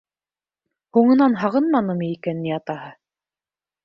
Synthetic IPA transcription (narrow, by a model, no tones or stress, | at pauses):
huɴɤ̆nɑnɦɑʁɤnmɑnɤmiːkænːiɑt̪ɑhɤ